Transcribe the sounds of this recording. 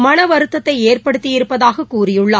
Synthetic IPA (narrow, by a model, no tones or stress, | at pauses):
mɐnɐʋɐɾɯt̪ːɐt̪ːɐɪeːrpɐɽɯt̪ːɪjɪɾɯpːɐðaːɣɐkːuːɾɪjɯɭːɐ